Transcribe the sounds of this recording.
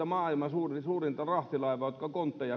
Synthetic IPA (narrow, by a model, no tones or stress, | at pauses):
ɑmɑːilmɑsuːrisuːrint̪ɑrɑht̪ilɑiʋɑːjot̪kɑkont̪ːɑjɑ